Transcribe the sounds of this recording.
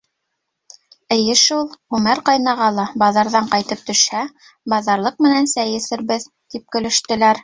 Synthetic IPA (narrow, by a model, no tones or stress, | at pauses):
ɘ̆jɘʃulˠʁʉmæɾqɑjnɑʁɑlˠɑbɑðɑɾðɑɴqɑjt̪ɤp̚t̪ɵ̆ʃhæ | bɑðɑɾlˠɤq̚mɘ̆nænsæjɘ̆sɘ̆ɾβɘð | t̪ip̚kɵ̆lɘ̆ʃt̪ɘ̆læɾ